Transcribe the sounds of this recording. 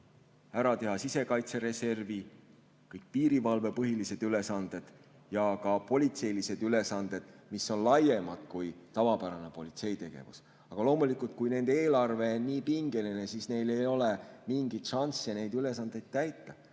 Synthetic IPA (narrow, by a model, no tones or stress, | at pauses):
æɾɑt̪e̞ɦɑsise̞kɑjt̪se̞ɾe̞se̞rvi | kɤjk̚piːɾivɑlve̞pɤɦilise̞d̪̥yle̞sɑnd̪̥e̞d̪̥ | jɑkɑpo̞lʲit̪se̞jlise̞d̪̥yle̞sɑnd̪̥e̞d̪̥misːo̞nlɑje̞mɑd̪̥kujt̪ɑvɑpæɾɑne̞po̞lʲit̪se̞jt̪e̞ɡ̥e̞̰vṵs | ɑɡ̥ɑlo̞ːmulikult̪̚kujne̞nd̪̥eeːlɑrve̞niːpiŋɡe̞line̞sisne̞jle̞jo̞le̞miŋɡ̥it̪ʃɑnsene̞jd̪yle̞sɑnd̪̥e̞jd̪̥̚t̪æjt̪ːɑ